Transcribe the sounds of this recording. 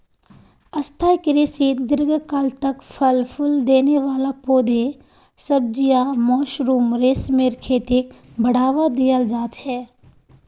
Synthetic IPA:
ɐst̪ʰaːjkɪɾisiːd̪ɪɾɡkaːlt̪ɐkpʰəlpʰʊld̪eːneʋaːlapoːd̪e | səb̚d͡ʒijamɔːʃɾuːmɾeːsmeːɾkʰeːt̪ikbʱɐɽaːʋad̪ijəld͡ʒaːt͡ʃʰɛː

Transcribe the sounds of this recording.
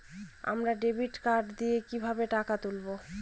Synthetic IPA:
a̰mɾaɖebiʈkaɾɖd̪ijekibʱabeʈakat̪ulbo

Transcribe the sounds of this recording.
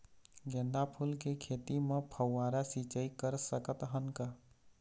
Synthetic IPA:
ɡẽnd̪apʰulkekʰet̪imepʰəwːaɾasit͡ʃəjkəɾsəkət̪ɦənka

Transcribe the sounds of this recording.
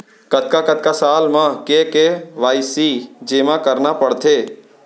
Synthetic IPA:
kət̪kakət̪̚kasaːlmãkekeʋaːisid͡ʒeːmãkəɾnapəɽt̪ʰeː

